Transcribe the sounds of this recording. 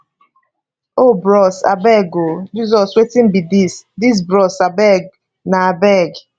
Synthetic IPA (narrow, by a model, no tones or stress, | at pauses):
obɾɔsa̰bɛɡod͡ʒizɔswetim̩bidisdis̬bɾɔsabɛɡ | naabɛɡ